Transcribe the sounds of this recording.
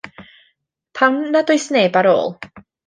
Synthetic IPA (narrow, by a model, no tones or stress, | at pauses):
pʰamnadʊjsneːbaɾo̰ːlˠ